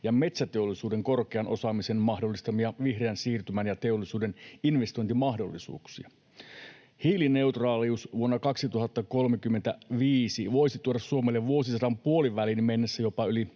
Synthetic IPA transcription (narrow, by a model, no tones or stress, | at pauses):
jɑme̞t̪sæt̪eolːˑisuːde̞ŋko̞rkeɑnʔo̞sɑmisenmɑhdo̞lːist̪ɑmiɑʋihreænsiːrt̪ymænjɑt̪e̞olːisuːdeninʋe̞st̪o̞jnt̪imɑhdo̞̰lːisṵːksiɑ | hiːline̞ut̪rɑːliusʋuonːɑkɑksit̪uɦɑt̪ːɑko̞lmekymːent̪æʋiːsiʋo̞jsit̪uoɾɑssuomelːeʋʋuo̞sisɑdɑmpuoliʋælinmenːesːæjo̞pɑyli